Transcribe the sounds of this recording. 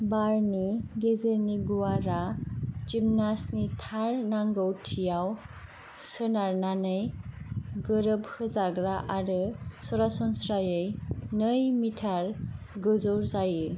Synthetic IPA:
baɾniɡezəɾniɡuwaɾat͡ʃimnasnit̪ʰaɾnaŋɡʌwtʰijaw | sənaɾnanʌj | ɡʌɾʌbhʰɯd͡zaɡɾaʔaɾɯsʌɾasɔnsɾajəjnʌjmitʰaɾ | ɡəzoɾzajɯ

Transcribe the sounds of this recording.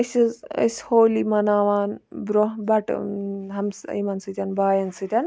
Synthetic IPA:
ɐsizɐ̰sʲhoːlimɐnaːʋaːnbɾoɦbɐʈɦɐmsɐ̰mɐnsɨt̪ʲanbaːjɐnsɨt̪ʲan

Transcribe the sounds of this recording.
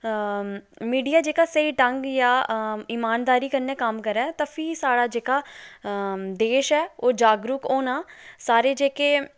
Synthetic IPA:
miːɖijaːd͡ʒeːkaːsəiːʈəŋɡjaːiːmaːnd̪aːɾiːkənːeːkəmkəɾɛːt̪ãːpʰiːsaːɽaːd͡ʒeːkaː | d̪eːʃɛːoːd͡ʒaːɡɾukoːnaːsaːɾeːd͡ʒeːkeː

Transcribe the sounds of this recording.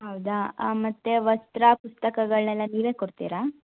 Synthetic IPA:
ɦɐwd̪amɐt̪ːe̞ʋɐst̪ɾɐpust̪ɐkɐɡɐɭnɛlːɐniːʋe̞ːkoɽt̪ḭːɾa

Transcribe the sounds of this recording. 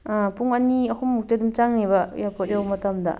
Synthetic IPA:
puŋaniɐkʰumːuk̚tedumt͡ʃaŋnebɐjapʰɔt̚jawmɐtamdɐ̰

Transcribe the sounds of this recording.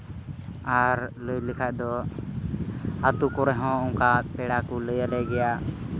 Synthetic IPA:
aɾləjlikʰaʔd̪ɔ | at̪ukɔɾɛɦɔ̃uŋkapɛɽakuləjalɛɡɛja

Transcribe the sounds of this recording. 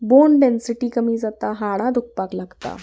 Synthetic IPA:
bonɖɛnsiʈiːkəmiːd͡zat̪aɦaɽãd̪uk̚paklaɡt̪a̰

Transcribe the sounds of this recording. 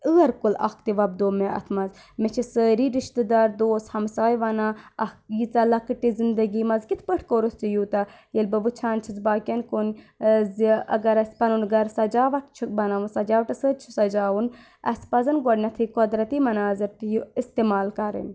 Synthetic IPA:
əɐɾkulɐ̰kt̪iʋɐb̚d̪oːmeɐ̰t̪ʰmɐz | mɛt͡ʃʰisəːɾiːɾiʃt̪ɨd̪aːɾd̪oːshɐmsaːjʋɐnaːɐkjit͡sɐlɐkɨʈizind̪ɐɡiːmɐzkit̪ʰpəʈʰkoɾust͡ʃijut̪ɐ | jelbɨʋɨt͡ʃʰaːnt͡ʃʰizbaːkʲɐnkon | zɐ̰ɡɐɾɐsʲpɐnunɡɐɾsɐd͡ʒaːʋɐkt͡ʃʰubɐnaʋunsɐd͡ʒaːʋʈɐsəːt͡ʃʰu̥sɐd͡ʒaːʋun | ɐ̰spɐzɐnɡɔɖnɐt̪ʰikod̪ɾɐt̪imɐnaːzɐɾt̪ijuist̪emaːlkɐɾə̰n

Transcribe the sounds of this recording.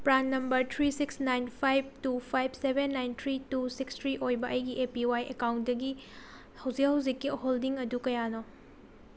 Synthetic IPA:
pɾanːɐmbɐɾtʰɾisiksnajnpʰajb̚tupʰajb̚ʱsebʱenːajnt̪ʰɾitusikstʰɾiʔojbɐʔɐjɡiʔepiwajekawnt̚dɐɡi | hɐwzikɦhɐwzikːiholdiŋɐdukɐjano

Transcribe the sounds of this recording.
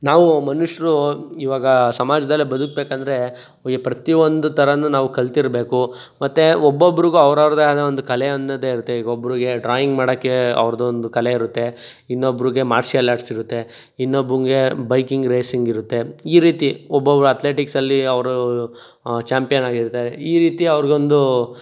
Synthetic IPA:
naːʋumɐnuʂɐɾuiːʋaːɡɐsɐmaːd͡ʒɐd̪ɐlːibɐd̪ukbeːkɐnd̪ɐɾe̞ | ɡepɾɐt̪iʋond̪ut̪ʰɐɾɐnːunaːʋukɐlt̪iɾbe̞ːku | mɐt̪ːeobːobːɐɾiɡuɐʋɾɐʋɾɐd̪ɐd̪ɐond̪ukɐleɐnd̪ɐd̪eiɾut̪ːeiːɡobːɾiɡe̞ɖɾaːjiŋɡmaːɽokːeɐ̰ʋɾɐd̪ɐond̪ukɐle̞iɾut̪ːe̞ | inːobːɾiɡe̞maːɾsiɐlaːʈsiɾut̪ːe̞ | inːobɾuŋɡe̞bɐjkiŋɡɾeːsiŋɡiɾut̪ːe̞iːɾiːt̪iɔbːobɐɾuɐt̪le̞ːʈiksɐlːiɐʋɾu | t͡ʃaːmpijɐnaːɡiɾt̪aːɾeiːɾiːt̪iɐʋɐɾɡeond̪u

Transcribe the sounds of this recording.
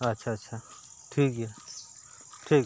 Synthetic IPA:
ɐtːʃʰatːʃʰa | ʈʰiːkɦe | ʈʰiːk

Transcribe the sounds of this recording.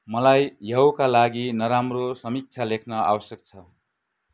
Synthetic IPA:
mʌlajjʌwkalaɡinʌɾamrosʌmik̚t͡sʰalekʰnʌa̰bʌsjʌk̚t͡sʰʌ

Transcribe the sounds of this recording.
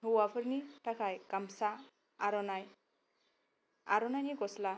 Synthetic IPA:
ɦuwapʰəɾniʈʰakʰajkamsaː | ɾɔnaj | aɾɔnajnikɔsla

